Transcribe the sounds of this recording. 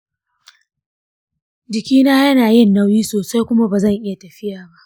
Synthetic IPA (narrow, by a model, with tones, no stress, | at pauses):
d͡ʒɪ˨kʲiː˦naː˦jɐ˦naː˨jɪ˦˨nːɐ˦wjiː˦soː˨sa˦jkʷʊ˦ma˦baː˨zɐ˦˨ŋʔɪ˦ja˨tɐ˨ɸɪ˦jaː˨ba˦ʔ